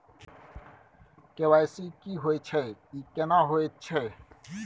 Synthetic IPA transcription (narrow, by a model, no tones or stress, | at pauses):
kewajsikiɦwet͡ɕʰəikɛnaɦwet͡ɕʰə